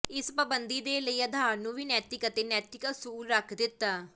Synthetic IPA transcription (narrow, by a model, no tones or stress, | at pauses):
ɪspəbənd̪iːd̪eːləiːəd̪ʱaːɾnũːʋiːnɛːt̪ɪkət̪eːnɛːt̪ɪkəsuːlɾəkʰd̪ɪt̪ːaː